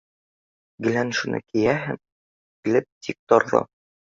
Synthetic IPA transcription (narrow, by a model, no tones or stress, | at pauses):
ɡɘ̆lænʃunɤ̰kijæɦɘm | kɘ̆lɘp̚t̪ʲʰik̚t̪ɒɾlˠɤ̰